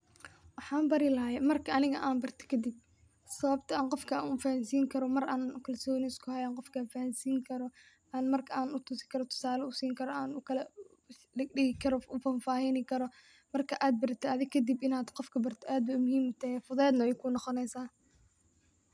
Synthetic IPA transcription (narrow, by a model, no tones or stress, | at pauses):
wɑħɑːmbɐɾɪlɐɦaːjɛmɐrkʰɐɐnɪɣɐʔaːnbɐrt̪ʰɔ̥kʰɐd̪ɪb̚ | sɐβɐb̚t̪ʰɐaːɴqɔfkʰɐaːnʊfɐhɐnsiːŋkʰɐɾɔmɐraːnkʰɐlsɔːnɪskʰʊhɐjaːŋqɔfkʰafɐhɐnsiːŋkʰɐɾɔ | ʔaːnmɐrkʰɐaːnʊt̪ʰʊsɪ̥kʰɐɾɔt̪ʰʊ̥saːlɐʊsiːŋkʰɐɾɔaːnʊkʰɐlɐ | ɪɖɪɣɪkʰɐɾɔʊfɐnfaːhɪnɪkʰɐɾɔ | mɐrkʰɐʔaːd̪̚bɐrt̪ʰɔɐðɪkʰɐd̪ɪbɪnaːd̪qɔfkʰɐbɐrt̪ʰɔʔaːd̪wɐmʊhiːmʊt̪ʰɐhɛfʊðɛːd̪nɐwɛjkʰʊnɔqɔnɛjsaː